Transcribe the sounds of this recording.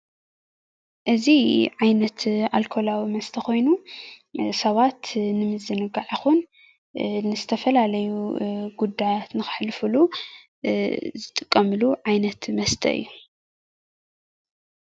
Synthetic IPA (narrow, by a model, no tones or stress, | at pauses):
ʔɨziʕajnɐt̪alkʰo̞lawimɐst̪ʰɐxo̞jnu | sɐβat̪nɨmɨzɨnɨɡaʕixun | nɨzɨt̪ʰɐfɐlalɐjuɡ̥ud̪ːajat̪nɨxɨ̥ħlɨfɨlu | zɨt̪ʼɨkʼːɐmɨluʕajnɐt̪mɐst̪ʰɐ̰ʔɨ̰jːu